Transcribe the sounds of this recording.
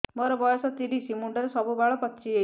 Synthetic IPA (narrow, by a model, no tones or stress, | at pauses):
mɔɾɔbɔjɔsɔt̪iɾisimuɳɖɔɾesɔbubaɭɔpɔtːʃʰie